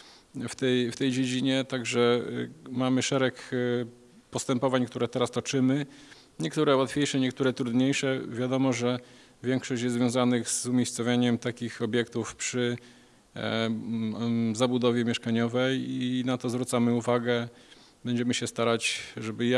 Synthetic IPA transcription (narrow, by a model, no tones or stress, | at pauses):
ft̪ɛjft̪ɛjd͡ʑed͡ʑiɲɛt̪aɡʐɛ | mamɘʂɛɾɛk | pɔst̪ɛmpɔvaɲkt̪uɾɛt̪ɛɾast̪ɔt͡ʂɘmɘ | ɲɛkt̪uɾɛwat̪fʲjejʂɛɲɛkt̪uɾɛt̪ɾud̪ɲejʂɛvʲjad̪ɔmɔʐɛ | vʲjɛŋkʂɔɕt͡ɕjɛst̪zvʲjɔ̃w̃zanɘɣzumʲejst̪sɔvʲjaɲɛmt̪akʲixɔbʲjɛkt̪ufpʂɘ | zabud̪ɔvʲjɛmʲjɛʂkaɲɔvɛjinat̪ɔzvɾut̪samɘuvaɡɛ | bɛɲd͡ʑɛmɘɕɛst̪aɾat͡ɕʐɛbɘja